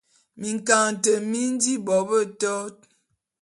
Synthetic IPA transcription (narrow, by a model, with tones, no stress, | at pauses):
mi˨ŋka˨ŋ˨tə˨mi˦n˦di˦bɔ˨˦bə˦˨tɔ˦t̚